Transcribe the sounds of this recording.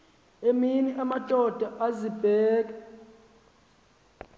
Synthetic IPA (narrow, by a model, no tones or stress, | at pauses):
eminiʔamadʼʱɔd̥ʱaʔazib̥ʱɛːk̬ʼa